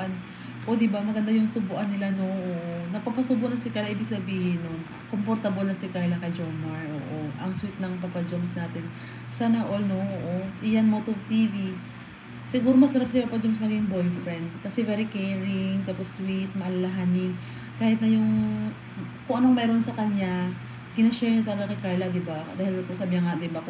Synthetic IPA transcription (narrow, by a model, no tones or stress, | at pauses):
an | ʔo̞d̪ɪbamɐɡɐnd̪ajʊŋsʊbʊʔɐnːɪlanoʔoʔonɐɡ̚papɐsʊbʊʔnɐŋsɪkalaʔiːbɪɡ̚sɐbiːhɪnon | kompoɾt̪abolnɐsɪkalɐkɐjd͡ʒomɐɹʔo̰ːʔoʔɐŋswit̪̚nɐŋpapɐd͡ʒomsnaːt̪ɪn | saːnɐʔolnooʔoʔɪjanmot̪ovt̪iːvi | sɪɡuːɾomɐsɐɾap̚sɐpapɐd͡ʒomsmɐɡiŋbojfɾɛnd̪̚kɐsɛvɛːɾɪkɛɹɪŋt̪aːposwit̪̚mɐʔɐlɐlɐɦanɪŋ | kaːhɪt̪̚nɐjʊŋ | koŋʔɐnoŋmɛːɾo̞nsɐkɐɲa | ɡɪnɐʃɛɹɲɐt̪ɐlɡakɐjkaɹlɐd̪ɪbad̪aːhɪlkʊsaːbɪaŋad̪ɪba